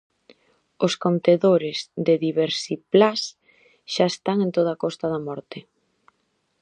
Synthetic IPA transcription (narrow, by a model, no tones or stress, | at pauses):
ʊskont̪eðoɾɪzðɪðiβeɾsiplas | ʃaest̪aŋẽnt̪oð̞akɔst̪aðɐmɔɾt̪ɪ